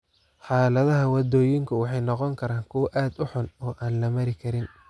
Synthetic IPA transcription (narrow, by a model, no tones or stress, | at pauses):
ħɑːlɐðɐɦɐwɑd̪ɔːjɪŋkʰʊwɑħɑjnɔqɔŋkʰɐɾaːŋkʰʊwɐʔaːd̪ʊħʊnɔːʔaːnlɐmɐɾɪkʰɐɾɪn